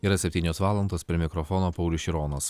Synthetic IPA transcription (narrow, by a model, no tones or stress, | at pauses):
iːɾɐsʲɛpʲt̪ʲiːnʲoːsʋɑːlˠɐnd̪oːspʲɾʲɪmʲɪkɾɔfɔnoːpɐʊlʲʊʃʲɪɾoːnoːs